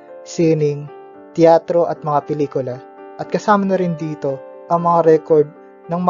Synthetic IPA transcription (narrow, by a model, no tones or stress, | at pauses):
siːnɪŋ | t̪ɪaːt̪ɾo̞ʔɐt̪̚mɐŋapɛliːkʊlɐ | ʔɐt̪̚kɐsaːmɐnɐɾɪnd̪iːt̪o̞ʔɐŋmɐŋaɾɛkoɹd̪̚ | nɐŋm